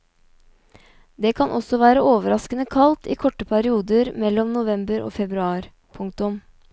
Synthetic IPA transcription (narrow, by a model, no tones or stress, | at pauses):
d̪eːkʰɑnʔɔsɔʋæːɾəʔoːʋəɾɑskənəkʰɑlt̪ʰḭːkʰɔʈːəpʰæɾɪuːd̪əɾmɛlːɔmnʊʋɛmbəɾo̰ːfɛbɾʉɑːɾ | pʰʊŋk̚t̪ʊm